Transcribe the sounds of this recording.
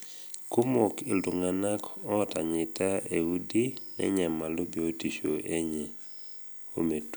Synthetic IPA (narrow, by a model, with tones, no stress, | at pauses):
ku˦mo˨kɪ˨ldʊ˨ŋa˨na˦kɔ˦ɔ˦ta˨ɲɪ˨ta˦e˨u˦di˦nɛ̰˦ɲɛ˨ma˨lo˦bi˨o˦ti˨ʃo˨ʔe˦ɲɛ˨ | o̰˦me˨t